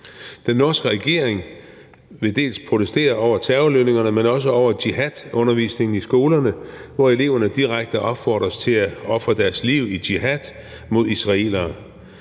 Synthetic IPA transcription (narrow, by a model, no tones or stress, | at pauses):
d̥enːɒːsɡ̥əʁɛɡ̥e̝̰ɐ̰eŋ | ʋe̝d̥e̝̰ːlspʰʁot͡sʰesd̥e̝̰ːɐɒʊ̰ɐt͡sʰɛʊløne̝ŋɐnəmenɒ̽s̬əɒʊ̰ɐd̥iɦæd̥ɔ̽nɐʋḭːsne̝ŋn̩isɡ̥o̝ːlɐnəʋɒe̝le̝ːʊɐnəd̥iʁaɡ̥̚d̥əʔɒ̽b̥fɒ̰ːd̥ʁɐst͡sʰe̝læɒ̽fʁɐd̥æɐsliʊ̰id̥iɦæd̥ | mo̝ð̰ˠisʁɑ̈e̝̰lɐː